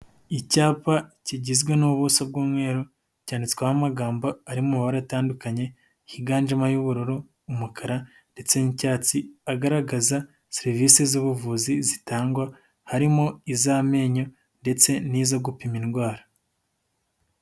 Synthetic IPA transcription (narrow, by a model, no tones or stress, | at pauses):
icaːpaciɟizɡwenuβusabɡuːmŋwe̞ːɾu | caːndit͡se̥kwahamaɡaːmbo̞aɾimuβaɾataːndukaɲe̞ | hiɡaːnd͡ʒamajuβuɾuɾuː | mukʰaɾa | nde̞t͡se̞nicaːt͡siaɡaɾaɡaza | seɾiviːsizuβuvuzizitaːŋɡwa | haɾimoizaːme̞ːɲo̞ | nde̞t͡se̞niːzaɡupiminɡwaːɾḁ